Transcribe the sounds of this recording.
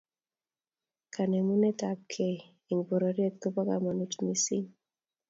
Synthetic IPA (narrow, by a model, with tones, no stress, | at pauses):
kʰa˨nɛ˨mu˦nɛ˦ta˨p̚kʰe˨ | i˨ŋbo˨ɾo˨ɾje˦t̪̚ko˦pa˦ka̰˨ma˨nu˦tmi˦si˦ŋ